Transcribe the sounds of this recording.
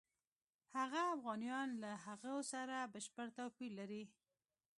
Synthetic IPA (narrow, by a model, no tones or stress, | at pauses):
haɣaːfɣɑnijɑnlaɦaɣosaɾabəʃpəɽt̪awpiɾlːaɾi